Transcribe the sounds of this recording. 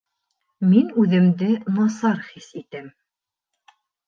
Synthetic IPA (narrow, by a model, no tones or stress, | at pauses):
minʉðɘ̆md̪ɘnɑsɑɾχisit̪ɘm